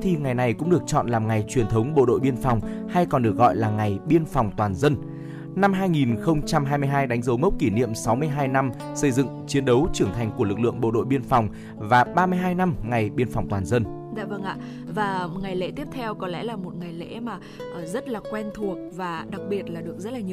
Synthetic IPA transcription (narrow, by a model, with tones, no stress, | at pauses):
t̪ʰi˨˩ŋa˨˩jna˨˩jkʊ̰˧˥ŋ͡mɗɨ˨˩ək̚t͡ɕɔ̰˧˨nlaː˨˩mŋa˨˩jt͡ɕwi˨˩ənt̪ʰə˨˦wŋ͡mɓo̰˧˨ɗo̰˧˨jɓi˧ənfa˨˩wŋ͡mha˧jkɔ˨˩nɗɨ˨˩ək̚ɣɔ̰˧˨jlaː˨˩ŋa˨˩jɓi˧ənfa˨˩wŋ͡mt̪waː˨˩nzə˧n | na˧mɦaː˧jŋi˨˩nxə˧wŋ͡mt͡ɕa˧mɦaː˧jmɨ˧ə˧jɦaː˧jɗa˨˦ŋzə˨˦wmə˦˥k͡p̚ki˧˩nḭ˧˨əmsa˨˦wmɨ˧əjɦaː˧jna˧m | sə˧jzɨ̰˧˨ŋt͡ɕi˨˦ənɗə˨˦wt͡ɕɨ˧˩əŋt̪ʰa˨˩jŋ̟ku˧˩əlɨ˨˩k̚lɨ̰˧˨əŋɓo̰˧˨ɗo̰˧˨jɓi˧ənfɔ˨˩wŋ͡m | vaː˨˩ɓaː˧mɨ˧əjɦaː˧jna˧mŋa˨˩jɓi˧ənfa˨˩wŋ͡mt̪waː˨˩nzə˧n | za̰ː˧˨və˧ŋʔa̰ː˧˨ | vaː˨˩m̚˨˩ŋa˨˩jlḛ˧˥t̪i˦˥əp̚t̪ʰɛ˧wkɔ˨˦lɛ̰˧˥laː˨˩mo˨˩t̚ŋa˨˩jlḛ˧˥maː˨˩ | ʔzə˦˥t̚laː˨˩kwɛ˧nt̪ʰu˨˩ək̚vaː˨˩ɗa˨˩k̚ɓi˨˩ət̚laː˨˩ɗɨ˨˩əkzə˦˥laː˨ɲi˨